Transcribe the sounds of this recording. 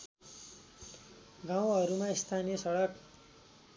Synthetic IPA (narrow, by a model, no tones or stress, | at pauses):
ɡaw̃ɦʌɾumaist̪ʰanijʌsʌɽʌk